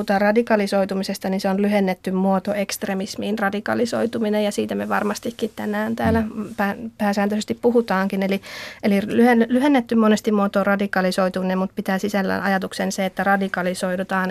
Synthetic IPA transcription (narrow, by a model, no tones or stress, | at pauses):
ut̪ɑːrrɑdikɑlisoit̪umisest̪ɑninseonlyhenːet̪ːymmuot̪oekst̪remismiːnrɑdikɑ̰liso̰it̪uminejɑsiːt̪æmeʋɑrmɑst̪ikːit̪t̪ænæːnt̪æːlæpæːpæːsæːnt̪øsest̪ippuhut̪ɑːŋkinelielirlyhenlyhenːet̪ːymmonest̪immuot̪orɑdikɑlisoit̪uminemmut̪pit̪æːsisælːæ̰nʔɑ̰jɑt̪uksenseet̪ːærɑdikɑlisoidut̪ɑːn